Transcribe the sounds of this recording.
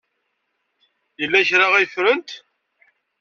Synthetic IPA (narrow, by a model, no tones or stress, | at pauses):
jəlːæçɾaʁæjfɾənt̪